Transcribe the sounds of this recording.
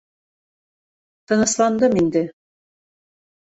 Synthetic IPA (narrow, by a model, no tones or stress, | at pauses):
t̪ɤ̆nɤ̆slˠɑnd̪ɤmind̪ɘ